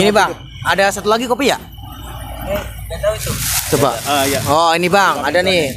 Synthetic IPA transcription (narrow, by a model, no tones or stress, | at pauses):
iniba | adasat̪ulaɡikopija̰ʔ | t͡ʃobaɔinibaŋadani